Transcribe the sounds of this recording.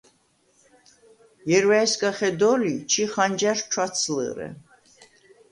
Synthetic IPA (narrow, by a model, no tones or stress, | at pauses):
jɛɾwaɛskʼaχɛd̪ɔlit͡ʃʰiχand͡ʒaʃt͡ʃʰwat̪sʰlɨ̰ɾɛ̰